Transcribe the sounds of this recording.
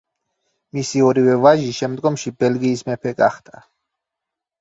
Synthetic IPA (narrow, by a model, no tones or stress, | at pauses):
misiɔɾivɛvaʒiʃɛmd̪ɡɔmʃibɛlɡiːsmɛpʰɛɡaχd̪ʰʼa